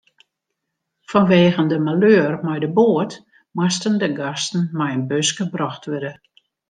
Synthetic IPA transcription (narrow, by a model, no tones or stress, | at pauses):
fɔnʋeːɣəndəmaløːrmɛjdəboːət | mwastəndəɡastn̩mɛjənbøsɡəbrɔxtʋødə